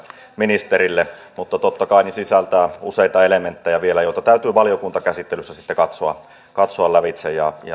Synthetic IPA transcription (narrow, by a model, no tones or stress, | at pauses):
minist̪eɾilːe | mut̪ːɑt̪ot̪ːɑkɑˑinisisælt̪æːuseit̪ɑelement̪ːejɑʋielæjoˑt̪ɑt̪æyt̪yːʋɑljokunt̪ɑkæsit̪ːelysːæsit̪ːekɑt̪soɑ̰ | kɑt̪soɑlːæʋit̪sejjɑ̰jɑ̰